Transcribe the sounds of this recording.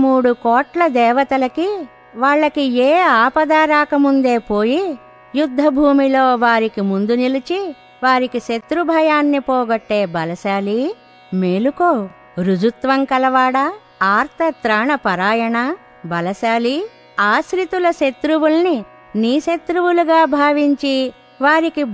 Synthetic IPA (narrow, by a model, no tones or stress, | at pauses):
muːɽukɔːʈlɐd̪ɛːʋɐt̪ɐlɐki | ʋaːɭːɐkieːaːpɐd̪aːɾaːkɐmund̪e̞ːpoːji | jud̪ʱːɐbʱuːmilo̞ːʋaːɾikimund̪unilit͡ʃi | ʋaːɾikiʃet̪ɾubʱɐjaːnːipɔːɡɐʈːeːbɐlɐʃaːli | me̞ːlukoː | ɾud͡ʒut̪ʋɐŋkɐlɐʋaːɽɐ | aːɾt̪ʰɐt̪ɾaːɳɐpɐɾaːjɐɳɐ | bɐlɐʃaːli | aːʃɾit̪ulɐʃet̪ɾuwulɐni | niːʃet̪ɾuwuluɡaːbʱaːʋiɲt͡ʃi | ʋaːɾiki